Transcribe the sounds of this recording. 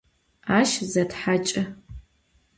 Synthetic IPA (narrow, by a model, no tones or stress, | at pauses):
aːʃzɐtħat͡ʃʼɐ